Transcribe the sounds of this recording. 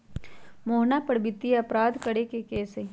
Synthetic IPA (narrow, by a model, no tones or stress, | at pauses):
moːɦnapɐɽbɪt̪ːiɐpɾaːd̪kɐɽekekeːse